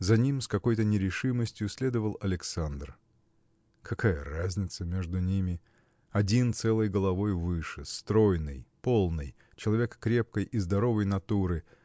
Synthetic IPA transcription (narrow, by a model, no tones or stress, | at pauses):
zɐnʲimskɐko̞jt̪ənʲɪɾʲɪʂɨməsʲtʲjʊsʲlʲe̞d̪əvəlˠɐlʲɪksand̪r | kɐkajə̰razʲnʲɪt̪səmʲeʐd̪ʊnʲimʲɪ | ɐdʲint̪sɛlˠəjɡəlˠɐvo̞jvɨʂɨst̪ɾo̞jnɨ̰jpo̞lˠnɨj | t͡ɕɪlˠɐvʲe̞kːɾʲe̞p̚kəjʔizd̪ɐɾo̞vəjnɐt̪uɾɨ